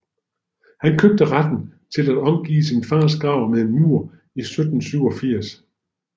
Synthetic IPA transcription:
hænkʰøb̥̚d̥əʁad̥n̩t͡sʰe̝læd̥ɒ̽mɡ̥ḭːsinfɑːsɡ̥ʁɑ̈ʊ̰meðˠmuɐ̰ | isød̥n̩syʊɒ̽fiɐ̰s

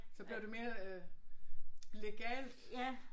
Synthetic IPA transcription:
sɒ̽b̥liɐd̥ume̝ːɐ | le̝ɡ̥ɛ̰ːld̥

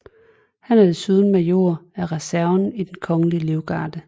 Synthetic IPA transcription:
hænɐdesyðˠn̩mæjo̝ɐæʁɛsæɐʊnid̥enkʰɒ̽ŋəliəle̝ʊɡ̥ɑ̈ːd̥ə

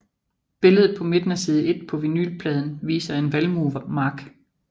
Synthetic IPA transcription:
b̥e̝ləð̞̩ˠpʰɒ̽me̝d̥næsiːð̞̩ˠe̝d̥̚pʰɒ̽ʋiny̰lpʰlɛð̞ˠn̩ʋḭːsɐe̝nʋælmumɑ̈ɡ̥

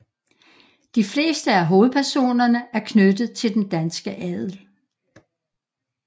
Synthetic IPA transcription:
d̥ifle̝̰ːsd̥əæɦo̝ːð̩ˠpʰæɐso̝̰ːnɐnəæɐkʰnød̥ð̩ˠt͡sʰe̝ld̥end̥ænsɡ̥əʔɛð̰ˠl

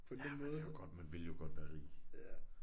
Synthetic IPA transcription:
pʰɒ̽d̥enmɔ̽ːð̩ˠjoɡ̥ɒ̽d̥mænʋe̝ljo̝ɡ̥ɒ̽d̥ʋæːɐʁḭː

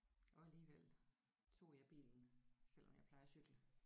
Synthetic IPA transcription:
ʔɒ̽æliːʋel | t͡sʰo̝̰ːjɑ̈ɪb̥ḭːln̩sel̰ɒ̽mjäɪpʰlɑ̈ɪɐsyɡ̥lə

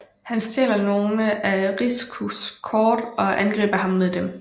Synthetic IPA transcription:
hænst͡sʰḛːlɐno̝ːnəʔæʁiskʰuskʰɒːd̥ɒ̽ʔænɡ̥ʁɛ̰ːb̥ɐɦɑ̈mːeðˠd̥em

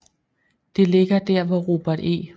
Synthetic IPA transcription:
d̥e̝le̝ɡ̥ɐd̥æɐ̰ʋɒʁo̝̰b̥æɐd̥ḛː

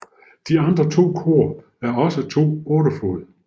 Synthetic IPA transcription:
d̥iɑ̈nd̥ʁɐt͡sʰo̝̰ːkʰo̝̰ːɐ | æɐɒ̽sət͡sʰo̝̰ːɔːɾɐfo̰ð̩ˠ

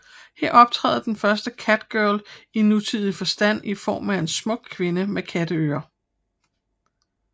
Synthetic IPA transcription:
heɐ̰ɒ̽b̥̚t͡sʰʁɛ̰ːð̩ˠd̥enfɶɐsd̥əkʰæd̥ɡ̥œɐlinːut͡sʰið̰ˠifɒ̽sd̥æn̰ifɒ̰ːmæe̝nsmɔ̽ɡ̥̚kʰʋe̝nəmekʰæd̥əø̰ːɐ

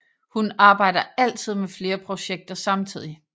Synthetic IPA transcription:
hunɑ̈ːb̥ɑ̈ɪ̰d̥ɐæl̰t͡sʰið̞̰ˠmefle̝ːɐpʰʁo̝ɕeɡ̥̚d̥ɐsɑ̈mt͡sʰið̞̰ˠi

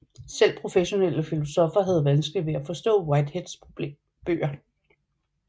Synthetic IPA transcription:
sel̰pʰʁo̝feɕo̝nel̰əfilo̝sɒ̽fɐɦæð̞̩ˠʋænsɡ̥liʋe̝æfɒ̽sd̥ɔ̰̽ːwɑ̈ɪd̥hed̥sp | b̥ø̰ːɐ

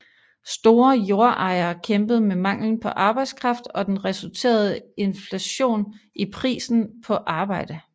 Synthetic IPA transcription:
sd̥o̝ːɐjo̝ɐʔɑ̈ɪɐːkʰemb̥əð̞̩ˠmemɑ̈ŋ̰ln̩pʰɒ̽ʔɑ̈ːb̥ɑ̈ɪd̥skʰʁɑ̈fd̥ɒ̽d̥enʁɛsult͡sʰe̝̰ːɐð̞ˠəe̝nflæɕo̝̰ːnʔipʰʁḭːsn̩pʰɒ̽ʔɑ̈ːb̥ɑ̈ɪ̰d̥ə

